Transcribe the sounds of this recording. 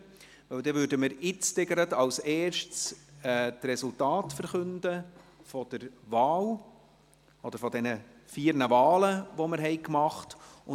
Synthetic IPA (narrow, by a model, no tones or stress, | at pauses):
ʋœwd̪ɛvʏːɾdəmɪɾɪt͡stɪɡəɾətɑwsɛːɾʃtt͡sɛt̪rɛsʊltɑːtfəɾχɵndəfɔd̥əɾvɑːl | ɔd̥̪əɾfɔd̪ɛnə | fiːɾnəvɑːləʋɔməɾɦɛɪkmɑχtʊ